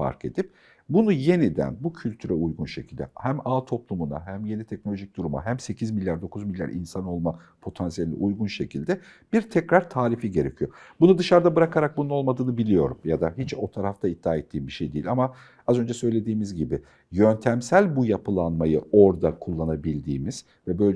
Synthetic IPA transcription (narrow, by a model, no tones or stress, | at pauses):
fa̰ɾkʰe̞d̪ip̚ | bunuje̞nid̪æ̰nbucʰylʲt̪ʰyɾɛujɡunʃecʰilʲd̪ɛ̰hæmaːt̪ʰo̞plˠumuna̰ɦæmje̞nit̪ʰɛc̚nolʲo̞ʒic̚d̪̥uɾuma̰ɦæmse̞cʰizmilʲjaɾd̪o̞kʰuzmilʲja̰ɾʔḭnsano̞lˠma | pʰo̞t̪ʰansijelʲiɛ̰ʔujɡunʃe̞cʰilʲd̪ɛb̥iɾt̪ʰɛcɾaɾt̪ʰaːɾifiɟe̞ɾe̞̰cʰijo̞̰bunud̪ɯʃaɾd̪abɯɾakʰaɾak̚bununo̞lˠmad̪ɯːnɯbilʲijo̞̰ɾumjad̪aɦit͡ʃo̞t̪ʰaɾaft̪ʰaid̪̥ːaːet̪ʰːiːmbiʃejd̪ijilʲama | azø̞nd͡ʒɛsø̞jlʲe̞d̪iːmizɟibi | jø̞nt̪ʰæmsælʲbujapʰɯlˠanmajɯo̞ɾd̪akʰulˠːanabilʲd̪ḭːmiz̥ | vɛbø̞j